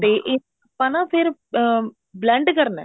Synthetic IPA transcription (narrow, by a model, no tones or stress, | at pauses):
t̪eʔe | ɐpːãːnãːpʰɪɾ | blɛ̃ɳɖkɐɾnɛ̰̃ː